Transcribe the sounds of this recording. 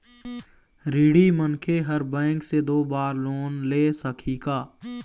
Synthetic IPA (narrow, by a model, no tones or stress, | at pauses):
ɾiːɽimənkʰeɦəɾbɛ̃ːŋksed̪oːbaːɾloːnleːsəkʰikaː